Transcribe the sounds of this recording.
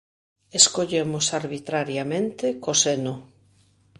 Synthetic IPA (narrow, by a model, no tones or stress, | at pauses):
eskoʎemʊsaɾβit̪ɾaɾjamẽnt̪ɪkoseno